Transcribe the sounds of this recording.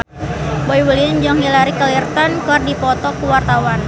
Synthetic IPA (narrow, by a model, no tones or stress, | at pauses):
boiwəliɲd͡ʒɔŋilaɾikəlirt̪ankɔrdipɔt̪ɔkuwart̪awan